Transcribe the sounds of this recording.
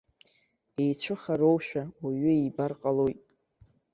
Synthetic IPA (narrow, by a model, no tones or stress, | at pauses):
ejt͡ʃʷʰɨχaɾo̞wʃᶣawaɥʏibarqʼalojtʼ